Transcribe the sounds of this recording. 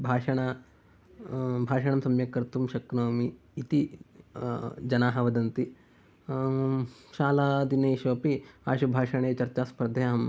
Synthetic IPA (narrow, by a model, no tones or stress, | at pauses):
bʱaːʃɐɳa | bʱaːʃɐɳɐmsɐmjɐkɐɾt̪umʃɐknoːmiː | t̪i | d͡ʒɐnaːɦɐʋɐd̪ɐnt̪i | ʃaːlaːd̪inɐːʃʋɐpiaːʃubʱaːʃɐɳ̃eːt͡ʃɐɾt͡ʃaːspɐɾɐd̪ʱjɐɦɐm